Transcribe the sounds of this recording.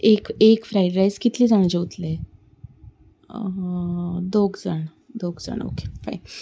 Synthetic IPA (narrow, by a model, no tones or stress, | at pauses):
ekekfɾajɖɾajskit̪liːd͡zaɽ̃ẽd͡ʑeut̪le | d̪oɡd͡zəɳ | d̪oɡd͡zə̰ɳ̃o̰ke̥fa̰jn